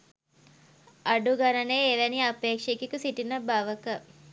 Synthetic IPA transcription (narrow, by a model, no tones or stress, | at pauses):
aɖuɡanəneːʋæniapeːkʂekikusiʈinəbaʋəkə